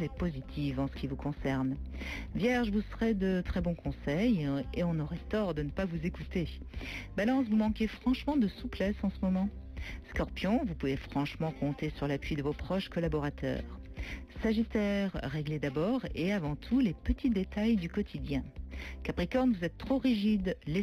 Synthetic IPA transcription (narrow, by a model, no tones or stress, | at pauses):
ɛpozit̪ʰivɑ̃sə̥kʲivukɔ̃sɛʁnvjɛʁʒvusəʁɛd̪ət̪χɛbɔ̃kɔ̃sɛjeɔ̃nɔʁɛt̪ɔʁd̪ənəpavuzekut̪e | balɑ̃svumɑ̃kʲefχɑ̃ʃmɑ̃d̪əsuplɛsɑ̃səmɔmɑ̃skɔʁpjɔ̃vupuvefχɑ̃ʃmɑ̃kɔ̃t̪esyʁlapɥid̪əvopχɔʃkɔlabɔʁat̪ʰœ̰ːʁsaʒit̪ɛʁːeɡled̪abɔʁeavɑ̃t̪ʰulepət̪ʰid̪et̪ajd̪ykɔt̪ʰid̪jɛ̃kapχikɔʁnvuzɛt̪ːχoʁiʒid̪le